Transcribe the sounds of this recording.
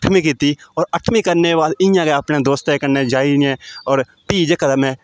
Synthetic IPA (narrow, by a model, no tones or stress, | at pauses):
əʈʰmĩːkiːt̪iːɔːɾəʈʰmĩːkəɾneːbaːd̪ɪ̃jãːɡeaːpnẽːd̪oːst̪eːkənẽːd͡ʒaːinɛ̃ːɔːɾ | piːd͡ʒekəd̪aːmɛ̃ː